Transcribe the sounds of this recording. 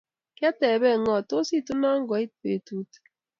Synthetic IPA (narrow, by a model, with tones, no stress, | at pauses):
kjɛ˦tɛ˨bɛ˦˨ŋɔ˨to˦si˦˨tu˦na˦ŋ˦ɡɔ˨˦i˦t̚pḛ˨tu˦t